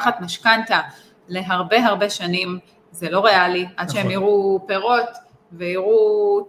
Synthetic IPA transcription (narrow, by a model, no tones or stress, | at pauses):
χat̪maʃkant̪a | le̞ɦaʁbe̞ɦaʁbe̞ʃanim | zelo̞ʁe̞aliʔad̪ʃeemiʁupe̞ʁo̞t̪ | veiʁu